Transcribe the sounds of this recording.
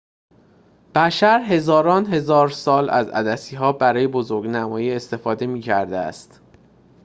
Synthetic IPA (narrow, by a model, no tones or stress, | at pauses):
b̥æʃæɾɦe̞zɒːɾɒːnɦe̞zɒːɾsɒːlæ̰zæ̰d̪æsiːɦɒːbæɾɒːje̞bozoɾɡnæmɒːjiːe̞st̪e̞fɒːd̪e̞miːcʰæɾd̪eæ̰st̪